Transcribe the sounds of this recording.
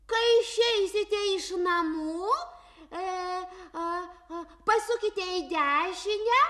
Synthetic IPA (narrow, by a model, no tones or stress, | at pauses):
kɐɪʃʲɛɪsʲɪt̪ʲɛɪʃnɐmuː | pɐsʊkʲɪt̪ʲɛɪd̪ʲæːʃʲɪnʲɛ